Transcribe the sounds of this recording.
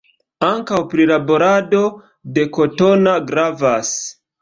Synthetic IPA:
aŋkawpɾilabo̞ɾado̞ | de̞ko̞to̞naɡɾavas

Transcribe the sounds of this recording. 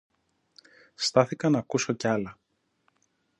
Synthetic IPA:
st̪ɐθikɐnɐkuso̞cɐlɐ

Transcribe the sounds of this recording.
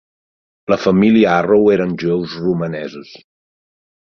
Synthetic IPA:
ləfəmiliəaroweɾənʲʒuɛwzrumənɛzus

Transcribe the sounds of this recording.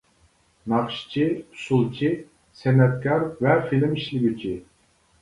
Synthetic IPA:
nɑχʃi̥t͡ʃʰiu̥sulˠt͡ʃʰi | sɛnɛt̪̚kʲʰɑɾvɛfilɪmiʃlɪɡʲit͡ʃʰi

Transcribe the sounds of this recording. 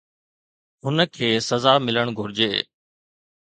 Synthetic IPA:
ɦʊnəkʰeːsəzaːmɪləɳ̃ɡʱʊɾɪd͡ʑeː

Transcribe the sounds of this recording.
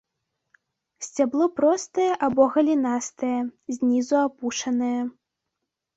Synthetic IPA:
sʲt͡sʲaplˠɔpɾɔst̪ɐjɛʔabɔɣɐlʲinast̪ɐjɛzʲnʲizuapuʂɐnɨjɐ

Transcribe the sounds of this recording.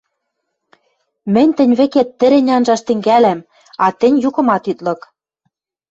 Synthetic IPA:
mɘ̆nʲt̪ɘ̆nʲβɘ̆ket̪ːɘ̆ɾɘ̆nʲɑnʒɑʃt̪ɘ̆ŋɡælæm | ɑt̪ɘ̆nʲjukɤ̆mɑt̪yt̪lɤ̆k

